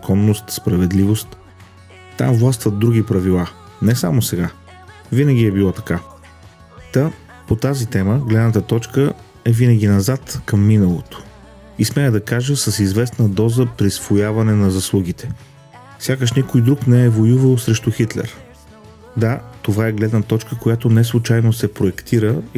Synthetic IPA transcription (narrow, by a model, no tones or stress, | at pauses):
zɐkʰɔnːost̪spɾɐvɛd̪livost̪ | t̪a̰mvlˠast̪vət̪̚d̪ɾuɡʲipɾɐvilˠa | nɛsamosɛɡa | vinəɡʲiɛbilˠɔt̪ɐ̥ka | t̪a | pot̪azit̪ɛməɡlɛd̪nət̪ət̪ɔt͡ʃkə | ɛvinɐɡ̟ʲinɐzat̪kɐmːinəlˠo̰t̪o̥ | ismɛəd̪ɐkaʒəsɐsizvɛsnəd̪ɔzəpɾisvojavɐnɛnɐzɐslˠuɡit̪ɛ̥ | fsʲjakəʃnikojd̪ɾuknɛɛvojuvəlˠsɾɛʃt̪ʊxit̪lɛ̰ɾ | d̪at̪ovaɛɡlɛd̪nət̪ɔt͡ʃkəkojat̪onɛslˠut͡ʃajnosɛpɾoɛkt̪ʰiɾə